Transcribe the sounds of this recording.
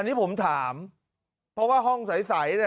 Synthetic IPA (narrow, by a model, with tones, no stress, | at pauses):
a˧nːiː˦˥pʰo˩˦mt̪ʰaː˩˦m | pʰɾɔ˦˥waː˥˩ɦɔ˥˩ŋsa˩˦jsa˩˦ja˥˩